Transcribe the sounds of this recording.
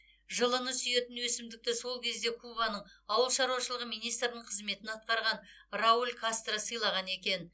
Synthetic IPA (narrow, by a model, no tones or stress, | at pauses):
ʒəlˠənəsʏje̞t̪ɪnwɵsɪmd̪ɪk̚t̪ɪso̞lˠkʲʰe̞zd̪e̞kʰubɑnəɴɑwəlˠʃɑɾuwɑʃəlˠəʁmijnijst̪rnəɴqʰəzme̞t̪ɪnɑt̪̚qɑɾʁɑn | raulʲkʰast̪rəsəjlˠɑʁɑne̞kʲe̞n